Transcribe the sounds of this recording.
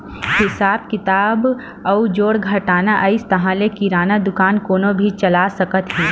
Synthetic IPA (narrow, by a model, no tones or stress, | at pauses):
hɪsaːb̚kɪt̪aːb | ɐud͡ʒoːɽɡʱɐʈaːnaʔəɪst̪ɐɦãːlekiɾaːnad̪ʊkaːnkoːnobʱit͡ʃɐlaːsɐkət̪ɦiː